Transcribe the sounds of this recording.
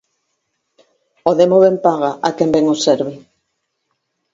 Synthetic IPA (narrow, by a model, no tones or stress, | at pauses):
oðemoβempaɣaʔakɛmbɛŋosɛɾβɪ